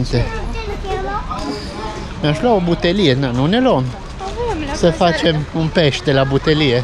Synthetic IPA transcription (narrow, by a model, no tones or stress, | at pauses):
nt̪ɛ | mɛʃlɔwbʊt̪ɛlɪːt̪nɐʔnunɛlɔm | sɛfɐt͡ʃɛmʊmpɛʃt̪ɛlɐbʊt̪ɛliɛ